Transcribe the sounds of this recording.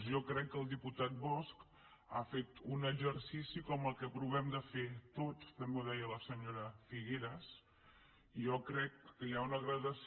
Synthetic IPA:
ʒɔkɾɛkːəlˠd̪iput̪at̪̚bɔsk | a̰fet̪unəɡd͡ʒəɾsisikɔməlˠkəpɾuβɛmd̪əfet̪ot͡st̪əmboðɛjələsəɲoɾəfiɣeɾəs | iʒɔkɾɛkːəjaunəɣɾəðəs

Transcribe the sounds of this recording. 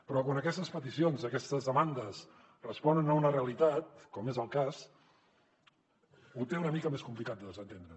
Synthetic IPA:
pɾɔkwanəkɛst̪əspət̪isionzəkɛst̪əzðəmand̪əs | rəspɔnənəunəreəlit̪at̪̚kɔmezəlˠkas | ut̪eunəmikəmeskumplikat̪d̪əðəzənt̪end̪ɾə

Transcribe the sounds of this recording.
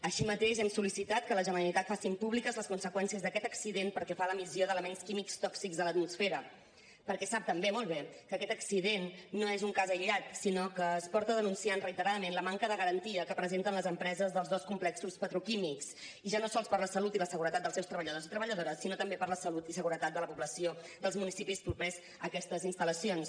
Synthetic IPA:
əʃimət̪eʃɛmsulisit̪at̪̚kələʒənəɾəlit̪at̪fasimpuβlikəzləskunsəkwɛnsiəzðəkɛt̪əksiðenpəɾkɛfaləmizjoðələmɛnskimikst̪ɔksikzðələt̪̚musfeɾə | pəɾkɛsap̚t̪əmbemɔlˠβekəkɛt̪əksiðenːoezuŋkazəʎat̪sinokəːspɔɾt̪əðənunsianrəit̪əɾaðəmenləmaŋkəðəɣəɾənt̪iəkəpɾəzent̪ənləzəmpɾɛzəzðəlˠzðɔskumplɛksuspət̪ɾukimiks | iʒanosɔlˠspəɾləsəlut̪iləsəɣuɾət̪at̪d̪əlˠsewst̪ɾəβəʎəðozit̪ɾəβəʎəðoɾəsːinot̪əmbepəɾləsəlut̪isəɣuɾət̪at̪̚d̪ələpuβləsiod̪əlˠzmunisipispuɾpɾɛz | əkɛst̪əzinst̪ələsions

